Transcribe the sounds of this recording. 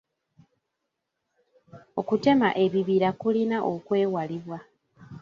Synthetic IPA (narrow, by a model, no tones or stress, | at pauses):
o̞kute̞ma̰ʔe̞βiβiɾakulinaʔokwe̞ːwaliβwa